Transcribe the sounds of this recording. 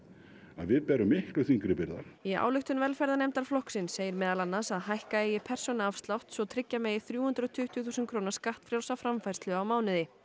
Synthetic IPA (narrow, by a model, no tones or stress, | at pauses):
a̰ðvɪðpɛːɾʏmɪhklʏθiŋkɾɪpɪɾða̰ia̰ːwlʏxt̪ʏnvɛlfɛɾðanejmt̪aɾ̥flɔhksɪnsːeːjɪɾmɛːðalanːasaðhajhkaeːjɪpʰɛr̥sɔnaafst̪lawht̪svɔt̪ʰɾɪcːamɛːjɪθɾjuːhʏnt̪ɾɔt̪ʰʏht̪ɥʏθuːsɪnkʰɾoːwnaɾ̥skaht̪fɾjaw̪safɾamfajɾ̥st̪lʏawmaːwnɪðɪ